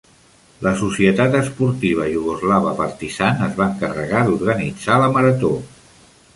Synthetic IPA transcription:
ləsusiət̪at̪əspuɾt̪iβ̞əjuɣ̞uzlaβəpəɾt̪isanəzβaəŋkərə̰ɣad̪uɾɣənid͡zaləməɾət̪o

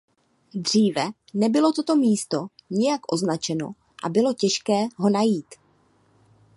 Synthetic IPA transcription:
d̪r̝iːvɛ | nɛbɪlo̞t̪ot̪o̞miːst̪o̞ɲɪjakʔo̞znat͡ʃɛno̞̰ | ʔa̰bɪlo̞cɛʃkɛːɦo̞najiːt̪

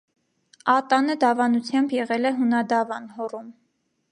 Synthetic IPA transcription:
ɑt̪ɑnəd̪ɑvɑnut͡sʰjɑmbjɛʁɛlɛɦunɑd̪ɑvɑnhɔrum

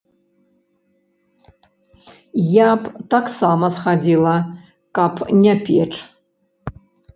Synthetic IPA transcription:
japʰtaksamɐsχadʲilˠɐ | kʼapʰnʲapʲʰeʈ͡ʂʰʼ

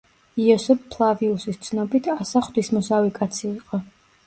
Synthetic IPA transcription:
iɔsɛppʰlˠaviusist̪sʰnɔbit̪ʰasaχd̪wismɔsavikʼat̪sʰiːqʼɔ

